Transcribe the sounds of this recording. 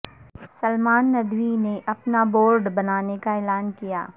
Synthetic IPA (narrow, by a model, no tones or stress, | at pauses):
sɐlmaːnːɐd̪ʋineʔɐpnaboːɾɖbɐnaːnekaeːlaːnkija̰ː